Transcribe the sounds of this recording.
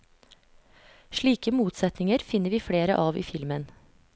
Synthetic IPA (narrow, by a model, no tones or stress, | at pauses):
ʃɭiːkəmuːt̪sɛt̪nɪŋəɾfɪnəʋiːfɽeːɾəʔɑːʋḭːfɪlmən